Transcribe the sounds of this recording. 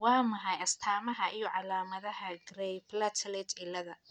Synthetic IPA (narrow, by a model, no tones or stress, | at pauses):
wɑːmɐɦɑjɐst̪ʰaːmɐɦɐʔijɔʕɑlaːmɐðɐɦɐɡrɛjplɐt̪ʰlɛt͡ʃ̪ɪlːɐðɐ